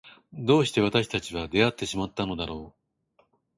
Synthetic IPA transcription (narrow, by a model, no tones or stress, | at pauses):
d̪o̞ːɕi̥t̪e̞β̞at̪aɕi̥t̪at͡ɕiβad̪e̞at̪ːe̞ɕimat̪ːano̞d̪aɾo̞ː